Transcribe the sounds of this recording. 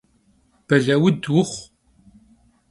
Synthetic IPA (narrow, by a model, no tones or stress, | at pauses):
b̥ɐɮɐwɨdwʊχʷ